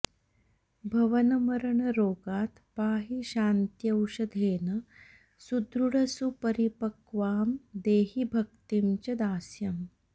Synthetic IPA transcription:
bʱɐʋɐnɐmɐɾɳɐɾoːɡaːt̪paːɦiɕaːnt̪jɐwʂɐd̪ʱeːnɐ | sud̪ɾuɽɐsupɐɾipɐkʋaːmd̪eːɦibʱɐk̚t̪imt͡ɕɐd̪aːsjɐm

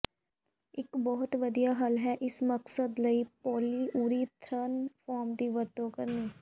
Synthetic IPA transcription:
ɪkbɔːʊt̪ʋəd̪ijaːɦəlɦɛːʔɪsməksəd̪ləiːpɔːliːʔuːɾiːt̪ʰɾənpʰaːɾmd̪iːʋəɾt̪õːkəɾniː

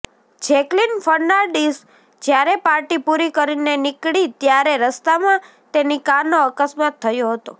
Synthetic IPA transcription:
d͡ʒɛklinfəɾnaɾɖis | d͡ʒjaɾepaɾʈipuɾikəɾinenɪkɽit̪jaɾeɾəst̪amã | t̪enikanoəkəsmat̪ʰːəjoɦət̪o

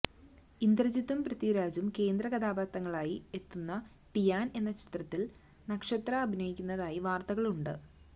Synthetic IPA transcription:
ind̪rɐd͡ʑit̪ːɐmprɐt̪iɾaːd͡ʑumke̞ːnd̪rɐɣɐd̪aːbaːt̪ːɐŋːɐɭaːjie̞t̪ːunːɐ | ʈijaːne̞nːɐt͡ɕi̥t̪rɐt̪ːil | nɐkʂɐt̪rɐːbʱinɐjikʲːunːɐðaːjiʋaːrt̪ɐɣɐɭuɳɖɨ̰

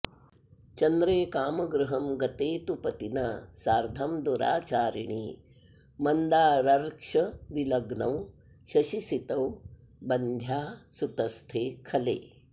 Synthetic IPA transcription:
t͡ʃɐnd̪ɾeːkaːmɐɡɾuɦɐmɡɐt̪eːt̪upɐt̪inɐsaːɾd̪ʱɐmd̪uɾa̰ːt͡ʃaːɾiɳiː | mɐnd̪aːɾɐɾkʂɐʋilɐɡɳɐw | ʃɐʃisit̪ɐw | bɐnd̪ʱjaːsut̪ɐst̪ʰeːkʰɐlḛː

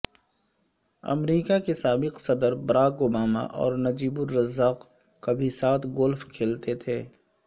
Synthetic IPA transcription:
ɐ̰mɾiːkakesaːbɪqsɐd̪əɾbɐɾaːkoːbaːma̰ʔɔ̰ːɾnɐd͡ʒiːbʊɾːɐzːaːq | kabʱisaːt̪ʰɡʊlfkʰeːlt̪et̪ʰeː

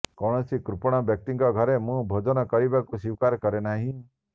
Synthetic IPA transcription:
kɔɽ̃ɔsikɾupɔɽ̃ɔbjɔk̚t̪iŋɡɔɡʱɔɾemũbʱɔd͡ʒɔnɔkɔɾibakusiwkaɾkɔɾenaɦĩ

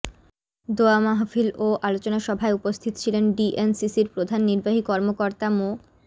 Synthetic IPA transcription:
d̪oamaɦfiloʔalot͡ɕonaʃɔbʱaeupost̪ʰit̪o̥t͡ɕʰilenɖiʔensisiɾpɾod̪ʱanːiɾbaɦikɔɾmokoɾt̪amo

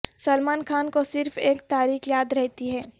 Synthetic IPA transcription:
sɐlmaːnkʰaːnkosɪɾfeːkt̪aːɾiːxjaːd̪ɾɛɦt̪iɦɛː

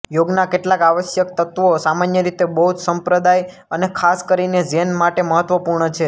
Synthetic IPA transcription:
joɡnakeʈlãkaʋəʃjək̚t̪ət̪ʋosamanjəɾit̪ebəɦut̪səmpɾəd̪aj | ənekʰaskəɾined͡ʒenmaʈeməɦət̪ʋəpuɾɳət͡ʃʰe

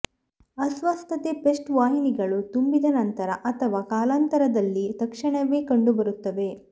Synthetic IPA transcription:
ɐsʋɐst̪ʰɐt̪epesʈʋaːɦiniɡɐɭut̪umbid̪ɐnɐnt̪ɐɾɐʔɐt̪ʰɐʋaːkaːlaːnt̪ɐɾɐd̪ɐlːit̪ɐkʂɐɳɐʋeːkɐɳɖubɐɾut̪ːɐʋe̞

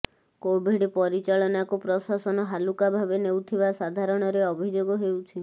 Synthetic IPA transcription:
kobʱiɖpɔɾit͡ʃaɭɔnakupɾɔsasɔnɔɦalukabʱabenewt̪ʰibasad̪ʱaɾɔɽ̃ɔɾeɔbʱid͡ʒoɡɔɦewt͡ʃʰi

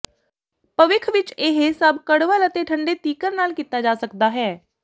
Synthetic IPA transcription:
pəʋɪkʰʋɪt͡ʃeɦesəbkəɽʋələt̪eːʈʰəɳɖeːt̪iːkəɾnaːlkiːt̪aːd͡ʒaːsəkd̪aːɦɛː

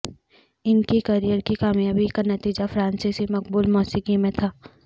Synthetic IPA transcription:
ɪnkikɐɾijəɾkikaːmjaːbikanɐt̪iːd͡ʒafɾãːnsisimɐk̚buːlmɔːsikimẽt̪ʰaː

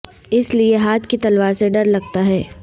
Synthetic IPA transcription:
ɪslieɦaːt̪ʰkit̪ɐlʋaːɾseɖɐɾlɐɡ̚t̪aɦɛː

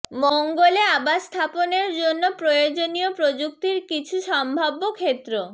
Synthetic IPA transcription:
mɔŋɡoleabast̪ʰaponeɾd͡ʑonːopɾojod͡ʑoniopɾod͡ʑuk̚t̪iɾkit͡ɕʰuʃɔmbʱabːokʰet̪ːɾo

